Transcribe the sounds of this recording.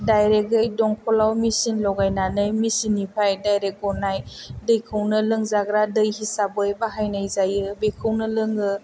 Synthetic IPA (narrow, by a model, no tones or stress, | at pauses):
dajɾeɡɯjdɔŋpʰɔlawmisinlɔɡajnanɯjmisinipʰajdajɾek̚ɡɔnajdɯjkʰɯwnɯlɯŋzaɡɾadɯjhisabɯjbaɦajnajzajɯbekʰɯwnɯlɯŋɯ